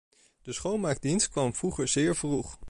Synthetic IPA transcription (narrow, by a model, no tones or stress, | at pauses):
d̥əsχowlmaːɹk̚dinst̚kʋɑmv̥ruχəɹzɪːɹvruχ